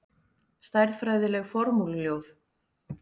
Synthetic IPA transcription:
st̪ajɾðfɾajðɪlɛɣfɔɾmulljowð

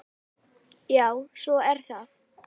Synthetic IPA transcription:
jaːwsɔɛɾ̥θaθ

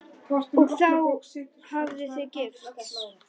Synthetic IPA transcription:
ɔɣθawhavðɪθjɛðcɪft̪

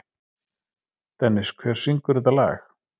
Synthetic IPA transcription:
t̪ɛnːɪskʰvɛr̥siŋkʏɾɪðalɛ̰ːx

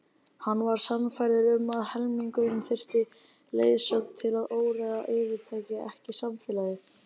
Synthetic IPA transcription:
hanːvaɾ̥samfajɾðɪɾʏmaðhɛlmiŋkʏʏnθɪr̥t̪ɪ | lḛːjsœkt̪ʰɪlaðoːwɾɛɣa̰ʔɪːvɪɾ̥t̪ʰaːjcɪɛhcɪsamfɛːlaðɪ

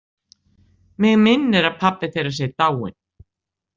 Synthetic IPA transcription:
mɪɣmɪnːɪɾaðpʰapːɪθejɾas̬jɛt̪aːwɪ̰n̥

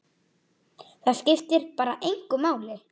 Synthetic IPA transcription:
θaðscɪft̪ɪɾpaːɾaʔejŋkʏmaːwlɪ

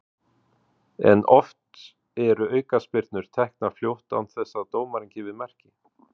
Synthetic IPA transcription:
ɛ̰nʔɔft̪ | ɛɾʏœːɥkaspɪɾt̪nʏɾ̥t̪ʰɛhknafljowht̪a̰nθɛsːat̪oːwmaɾiɲcɪvɪðmɛr̥cɪ

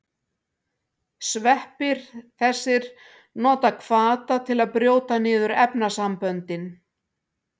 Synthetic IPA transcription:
svɛhpɪɾ̥θɛsːɪɾ̥ | nɔːt̪akʰvaːt̪at̪ʰɪlaðpɾjoːwt̪anɪːðʏɾɛpnasampœnt̪ɪn

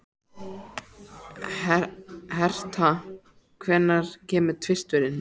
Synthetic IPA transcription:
hɛr̥t̪a | kʰvɛnːaɾ̥cʰɛːmɪt̪ʰvɪst̪vʏɾɪn

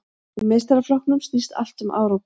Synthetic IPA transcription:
ʏmejst̪aɾaflɔhkt̪nʏmst̪ist̪a̰l̥t̪ʏmʔa̰ːwɾaw

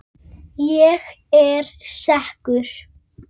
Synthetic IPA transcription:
jɛːx | ɛɾsahkʏɾ̥

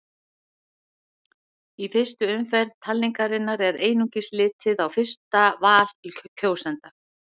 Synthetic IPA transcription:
ifɪst̪ʏʏmfɛɾðt̪ʰalːiŋkaɾɪnːaɾɛɾeːjnuŋcɪslɪːt̪ʰɪðawfɪ̥st̪avaːl̥klcʰoːwsɛnt̪a

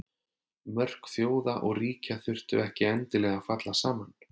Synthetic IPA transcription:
mœr̥kθjoːwðaʔɔɣriːcaθʏr̥t̪ʏɛhcɪɛnt̪ɪlɛɣafat̪lasaːman

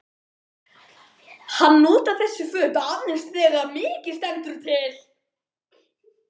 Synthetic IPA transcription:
hanːoːt̪aθɛsːʏfœːp̪anːɪnst̪θɛːɣamɪːcɪ̥st̪ɛnt̪ʏɾ̥t̪ʰɪl̥

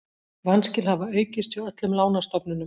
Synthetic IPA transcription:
vanscɪlhavaœɥcɪst̪viwœt̪lʏmlaːwnast̪ɔpnʏnʏm

